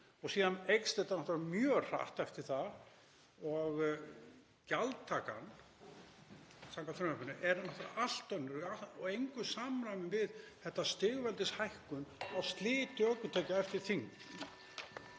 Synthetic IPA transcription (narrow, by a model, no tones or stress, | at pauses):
ɔɣsiːðanejkst̪ejt̪anɔht̪ɾamjœːr̥a̰ht̪ɛft̪ɪɾ̥θa | ɔɣ | calt̪ʰːaːka̰n | saŋkaɾʏmɛpʏnʏ̰ʔɛɾnɔht̪ɾaal̥t̪œnːʏɾaɔɣejŋkʏsamɾamɪnvɪðθɛht̪ːast̪ɪːɣvɛlt̪ɪshajhkʏnawst̪lɪːt̪ʏœːkʏt̪ʰɛːcaɛft̪ɪɾ̥θiŋ